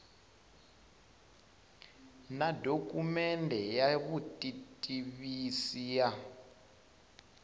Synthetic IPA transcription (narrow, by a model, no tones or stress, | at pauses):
nadokʼumɛndʱɛjaβutʼitʼiβisija